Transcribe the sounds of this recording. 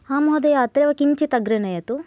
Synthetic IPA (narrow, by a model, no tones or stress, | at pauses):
haːmɐɦɐd̪ɐjɐːt̪ɾeʋɐkiɲt͡ʃit̪ɐɡɾɐnɐjɐt̪u